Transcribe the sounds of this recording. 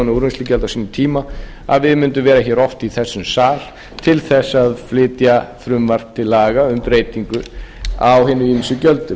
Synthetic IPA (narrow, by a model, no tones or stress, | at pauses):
nɪuɾʏnslicɛlt̪asiːnɪmt̪ʰiːma | aðvɪðmɪnt̪ʏmvɛːɾaçɛːɾɔft̪iθɛsːʏmsaːl̥ | t̪ʰɪlθɛsːaðflɪːt̪jaθɾʏmvar̥t̪ʰːɪlːaːɣaʏmpɾeːjt̪iŋkʏawɦɪːnːʏiːnisʏcœlt̪ʏ